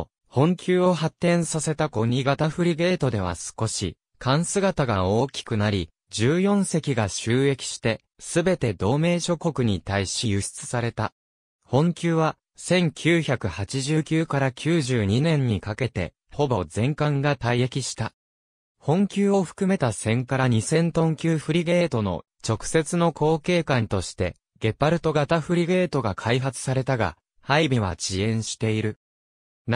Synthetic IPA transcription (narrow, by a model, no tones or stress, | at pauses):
hõ̞ŋkʲɨːo̞ɦat̪ːẽ̞ɰ̃sase̞t̪ako̞ɲ̟iɡat̪aɸɯ̟ɾʲiɡe̞ːt̪o̞d̪e̞βa̰sɨ̥ko̞ɕḭ | kʰãɰ̃sɨɡat̪aɡao̞ːkʲi̥kɯ̟naɾʲi | d͡ʑɨːjõ̞ɰ̃se̞kʲiɡaɕɨːe̞kʲi̥ɕi̥t̪e̞ | sɨbe̞t̪e̞d̪o̞ːme̞ːɕo̞ko̞kɯ̟ɲ̟it̪aiɕijɯ̟ɕi̥t͡sɨ̥saɾe̞t̪a | hõ̞ŋkʲɨːβa | sẽ̞ŋkʲʰɨːçakɯ̟hat͡ɕiʑɨːkʲɨːkaɾakʲɨːʑɨːɲ̟inẽ̞ɲ̟ːikake̞t̪e̞̰ | ho̞bo̞zẽ̞ŋkãŋɡat̪aiekʲiɕi̥t̪a | hõ̞ŋkʲɨːo̞ɸɯ̟̥kɯ̟me̞t̪asẽ̞ŋkaɾaɲ̟isẽ̞nt̪õ̞ŋkʲɨːɸɯ̟ɾʲiɡe̞ːt̪o̞no̞̰ | t͡ɕo̞kɯ̟̥se̞t͡sɨno̞kʰo̞ːke̞ːkãnt̪o̞ɕi̥t̪e̞̰ | ɡe̞pːaɾɯ̟t̪o̞ɡat̪aɸɯ̟ɾʲiɡe̞ːt̪o̞ɡakʰaiɦat͡sɨ̥saɾe̞t̪aɡa̰ | haibʲiβ̞a̰ɕiẽ̞ɰ̃ɕi̥t̪e̞iɾɯ̟